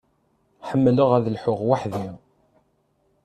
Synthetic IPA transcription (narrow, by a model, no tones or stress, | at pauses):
ħəmːələʁæðlħʊʁwaħði